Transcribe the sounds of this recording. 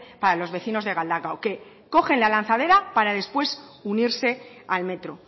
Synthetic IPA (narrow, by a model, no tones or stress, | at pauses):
paɾalo̞zβe̞θino̞zðe̞ɣ̞ald̪aɣaoke̞ | ko̞xe̞nlalan̟θað̞e̞ɾapaɾaðe̞spwe̞suniɾse̞alme̞t̪ɾo